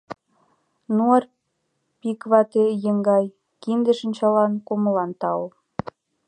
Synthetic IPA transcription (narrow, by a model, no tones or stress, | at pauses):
nuər | pikβɑt̪ejə̆ŋɡɑj | kind̪ə̆ʃə̆nʲt͡ɕɑlɑnkoməlɑnt̪ɑo